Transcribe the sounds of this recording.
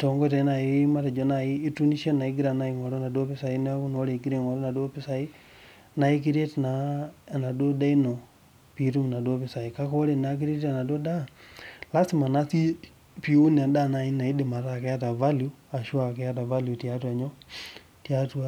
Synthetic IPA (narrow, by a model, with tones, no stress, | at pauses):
to˨ŋɡo˦ta˨i˦na˨i˦ma˦te˨d͡ʒo˦na˨iː˦tu˦ni˦ʃa˦na˨i˦ɡiɾa˨na˨˦i˨ŋɔ˨ɾo˦na˨do˦pɪ˦sa˨i˦n˦a˦ku˦no˦ɾe˨ɡi˦ɾe˨ŋɔ˨ɾɔ˦na˨do˦pɪ˦sa˨i˦ | na˨i˦k̬i˦ɾe˦tna˨na˨do˦da˦i˦no˨ | pi˨ɾu˦˨na˨do˦pɪ˨sa˨i˨ka˦ko˦ɾe˨na˦k̬i˦ɾe˦ta˨na˨do˦da˦la˦si˦ma˨na˦si˦ | pi˨u˦n˨a˨da˦na˨i˦na˨i˦de˨ma˨ta˦˨ke˦a˦ta˨va˦lju˦ | a˨ʃu˦a˨kɛ˦a˦t̬a˨va˦lju˨tja˦twa˨ɲo˦ | tja˦twa˦